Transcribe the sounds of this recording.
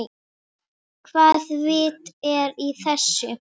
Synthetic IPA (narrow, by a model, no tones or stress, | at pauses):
kʰvaːðvɪːt̪ɛɾiθɛsːʏ